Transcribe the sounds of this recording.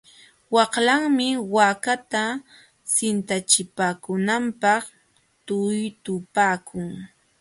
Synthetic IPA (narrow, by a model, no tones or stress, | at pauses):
wɑχlaŋmɪwakat̪a | sɪnt̪at͡ʃɪpaːkʊnampɑχ | t̪ʊjt̪ʊpaːkʰʊŋ